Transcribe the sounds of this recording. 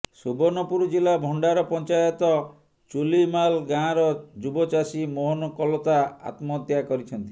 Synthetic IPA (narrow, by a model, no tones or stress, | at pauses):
subɔnɔpuɾɔd͡ʒilabʱɔɳɖaɾɔpɔnt͡ʃajɔt̪ɔ | t͡ʃulimalɡãɾɔd͡ʒubɔt͡ʃasimɔɦɔnɔkɔlɔt̪aa̰t̪mɔt̪jakɔɾit͡ʃʰɔnt̪i